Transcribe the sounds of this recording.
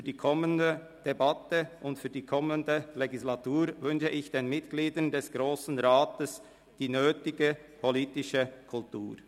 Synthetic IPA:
fyːd̥iːkʰɔməndə | d̥ebatəʔʊntfyːɐdiːkʰɔməndəleɡislatuːɾvʏnʃəʔɪçd̥eːnmɪtɡ̥liːdəndɛsɡ̥ʁoːsn̩ʁaːtəs | d̥iːnøːtɪɡəpʰoliːtɪʃəkʰʊltuːʁ

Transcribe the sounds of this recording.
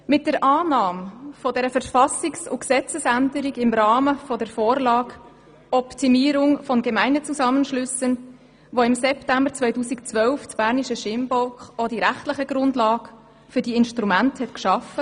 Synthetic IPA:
mɪt̚d̥əɾʔɑːnɑːmfɔdɛɾəfəɾfɑsɪksʊksɛt͡səsændəɾiɡɪmɾɑːməfɔdəɾfoːɾlɑːɡ | ɔptimiːɾʊŋfɔnɡɛmæɪnət͡suzɑmənʃlʏsən | ʋoɪmsɛptæmbəɾt͡sʋœɪtuːsikt͡svœlftb̥æːɾniʃəʃɪmbɔlkχɔdiɾæχtlɪχəɡɾʊndlɑːɡ | fʏɾdiɪnʃtɾumænthɛtkʃɑfə

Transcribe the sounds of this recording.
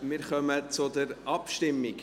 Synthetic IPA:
mɪɾχœmət͡sʊd̪əɾʔɑpʃtɪmːɪɡ

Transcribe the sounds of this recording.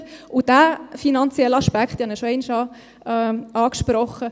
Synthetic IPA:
ʊd̥æːfinɑnt͡sjɛlːɑʃpækχt̪ihɑnəʃoɛɪnʃɑ | ɑːkʃpɾɔχə

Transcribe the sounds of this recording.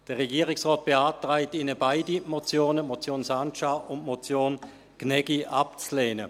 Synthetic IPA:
d̥əʁeɡiːʁɪksʁɔːt̚b̥eaːtʁaɪtinəbaɪdimot͡sjoːnəmot͡sjoːnsant͡ʃaʊntmot͡sjoːn | knɛɡ̥iʔap̚t͡sleːnə

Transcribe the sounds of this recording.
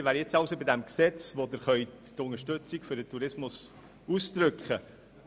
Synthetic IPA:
ʋæːɾjɛt͡sɑʊsobidæmksɛt͡sʋod̪əɾχœʏtːʊnəʃtʏt͡sikfʏɾdət̪ʰuɾɪsmʊs | ust̪ɾɵkχə

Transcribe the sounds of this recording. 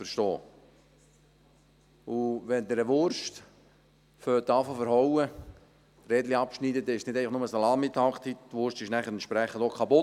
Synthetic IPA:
fəɾʃtɔː | uʋɛnd̪əɾəʋʊɾʃt | føːtːɑːfofəɾɦɔwə | reːdliɑpʃniːdədɛɪʃsnɪdɛɪləχnʊməsɑlɑːmit̪ʰɑkt̪ittʋʊɾʃtɪʃnæχəɾɛnʃpɾɛχənd̪okʰɑpʊ

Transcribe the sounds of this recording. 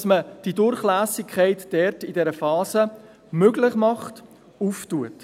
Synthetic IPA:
sməd̥idʊɾχlæːsɪkʰχɛɪtd̥ɛɾtɪdɛɾəfɑːsə | møɡlɪχmɑχt | uːftuət

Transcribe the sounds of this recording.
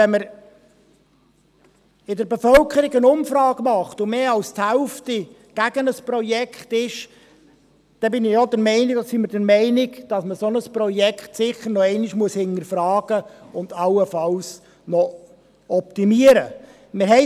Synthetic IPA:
ɛnməɾ | ɪdəɾbefœlkʰəɾɪɡənʊmfɾɑːɡmɑχt̪ʊmeːɑlsthælfti | ɡ̥æɡənəspɾɔjɛkχtɪʃ | d̥ɛbɪnɪjɑd̪əɾmɛɪnɪɡd̥ɑsiməɾdəɾmɛɪnɪɡd̥ɑsməsonəspɾɔjɛkχtsɪχəɾnɔɛɪnɪʃmuəshɪnəɾfɾɑːɡ̥əʊnd̪ɑlːəfɑls | nɔ | ɔp̚t̪imiəɾə | mɪɾɦɛɪ

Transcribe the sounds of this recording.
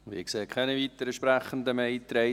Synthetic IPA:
ʋḭːkseːkʰɛniʋiːt̪əɾəʃpɾæχən̩d̪əmɛjt̪ɾɛɪ

